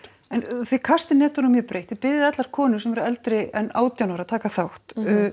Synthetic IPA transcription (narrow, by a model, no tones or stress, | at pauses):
ɛnθekʰar̥st̪ɪnɛːt̪ɔɾumjɛpɾeːjht̪ɪpɪðɪðɛt̪laɾ̥kʰɔːnʏ̥sɛmvɛɾʏɾɛlt̪ɾɪɛna̰ːwt̪jawnaɾaðt̪ʰaːkaθawht̪ː